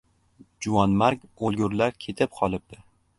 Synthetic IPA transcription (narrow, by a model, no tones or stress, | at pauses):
d͡ʒʊwɒnmaɾkʲolˠɡʲʊɾlaɾkʲʰe̞t̪ʰɪp̚qʰɒlˠɪp̚d̪̥ɪ